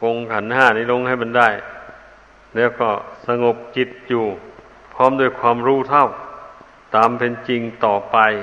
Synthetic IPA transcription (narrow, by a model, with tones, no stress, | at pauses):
ko˧ŋkʰa˨˩˦nhaː˧˩niː˦˥˩lo˧ŋha˧˥˩jma˧ndaː˥˩j | lɛː˦˥˩wkɔː˧˥˩sa˧ŋo˨˩p̚t͡ɕi˨˧˩t̪̚juː˨˩ | pʰɔː˥˨mdu˧˥˩jkʰwaː˧˥mɾuː˧˥˨t̪ʰa˥˩˨w | t̪aː˨˧mpʰe˧nt͡ɕi˧ŋt̪ɔː˨˩pa˧j